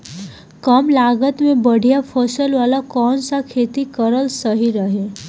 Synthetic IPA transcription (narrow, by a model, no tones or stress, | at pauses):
kəmlaːɡət̪mẽbəɽ̤ʱijapʰəsəlʋaːlakɔːnsakʰeːt̪ikəɾəlsəɦiɾəɦe